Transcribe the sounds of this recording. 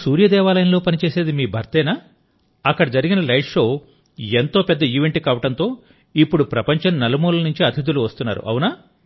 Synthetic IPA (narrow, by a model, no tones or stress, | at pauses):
suːɾjɐd̪ɛːʋaːlɐjɐnlo̞ːpɐnit͡ʃe̞ːse̞ːd̪imiːbʱɐɾt̪ɛːna | ɐkːɐɽɐd͡ʒɐɾiɡinɐlɐjʂo̞ː | ent̪o̞ːpɛd̪ːɐiːʋeɳʈikaːʋɐʈɐnt̪o̞ː | ipːuɽupɾɐpɐɲt͡ʃɐnnɐlɐmoːlɐnuɲt͡ʃiɐt̪ʰid̪uluʋɐst̪unːa̰ːɾṵʔɐ̰wunaː